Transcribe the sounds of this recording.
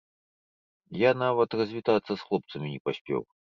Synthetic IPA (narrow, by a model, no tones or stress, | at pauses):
janavɐt̪rɐzʲvʲit̪at̪sːɐsxlˠɔp̚t̪sɐmʲinʲipasʲpʲɛ̰w